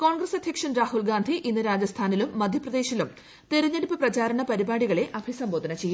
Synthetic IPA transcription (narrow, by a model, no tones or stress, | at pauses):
ko̞ːɳɡɾɐsɐd̪ʱjɐkʂɐnɾaːhulɡaːnd̪ʱiʔinːɨɾaːd͡ʑɐst̪ʰaːnilumːɐd̪ʱjɐprɐd̪e̞ːɕilum | t̪eɾɐɲːeɽipːɨprɐt͡ɕaːɾɐɳɐpɐɾibaːɽiɣɐɭe̞ʔɐbʱisɐmbo̞ːd̪ʱɐnɐt͡ɕe̞jːum